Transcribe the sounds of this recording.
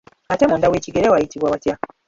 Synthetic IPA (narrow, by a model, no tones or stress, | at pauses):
ate̞muːndawe̞ːciɡe̞ɾewajitiβwawatja